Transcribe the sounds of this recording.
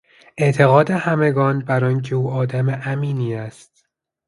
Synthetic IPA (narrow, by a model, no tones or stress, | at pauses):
ʔet̪ʰe̞ɣɒːd̪ehæmeɡɒːnbæɾɒːncʰeuːɒːd̪æmeʔæmiːniːæst̪